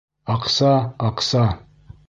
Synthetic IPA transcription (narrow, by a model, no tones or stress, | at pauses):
ɑqsɑɑqsɑ